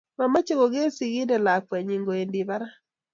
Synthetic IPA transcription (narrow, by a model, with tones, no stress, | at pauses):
ma˨ma˦t͡ʃe˦ɡo˨ɡe˦si˨ɡɪ˦dɛ˨la˨kwɛ˨ɲi˨ŋɡo˨e˨ndi˨ba˦ɾa˦